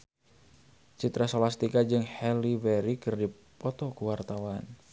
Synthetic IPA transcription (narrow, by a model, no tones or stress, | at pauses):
t͡ʃit̪ɾasolast̪ikad͡ʒɨŋhɛlivɛɾikɨrdi | pɔt̪ɔkuwart̪awan